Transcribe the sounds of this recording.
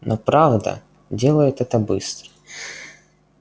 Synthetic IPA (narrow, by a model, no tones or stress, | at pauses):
nʔɔpɾavd̪ɐ̰ | dʲelˠəjʊt̪ɛt̪əbɨst̪ɾə̥